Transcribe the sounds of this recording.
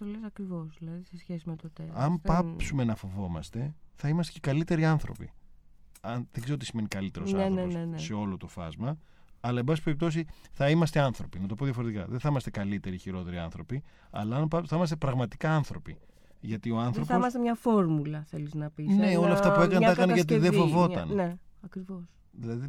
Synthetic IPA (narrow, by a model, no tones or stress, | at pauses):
θolesɐkɾivosðilɐðisesçesimet̪ot̪eɐmpɐsumenɐfo̞vo̞mɐst̪e̞θɐimɐst̪e̥ce̞kɐlit̪e̞ɾiɐnθɾo̞̰pḭ | ɐnðeɡzeoot̪isime̞nikɐlit̪e̞ɾosɐɾenenese̞o̞lot̪o̞fɐ̰zmɐː | lɐembɐsi̥peɾip̚t̪o̞siθɐimɐst̪eɐnθɾo̞pinɐt̪o̞poðjɐfo̞ɾet̪ikɐ̰ðeθɐimɐst̪e̞kɐlit̪e̞ɾiçiɾo̞t̪e̞ɾiɐnθɾo̞pi | ɐ̰lɐːnpɐθɐimɐst̪e̞pɾɐɣmɐt̪i̥kɐɐnθɾo̞pi | ʝɐt̪io̞ɐnθɾo̞posɐst̪emɲɐfoɾmulɐθeliznɐpisne̞o̞lɐft̪ɐpue̞kɐnɐɐɐnɐʝɐt̪̬iðefovo̞ɐ̰nneɐkɾivos | ðilɐði